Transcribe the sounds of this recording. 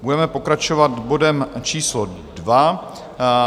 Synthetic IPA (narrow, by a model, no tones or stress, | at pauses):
budɛmɛpo̞kɾat͡ʃovat̪bo̞dɛmt͡ʃiːslo | dva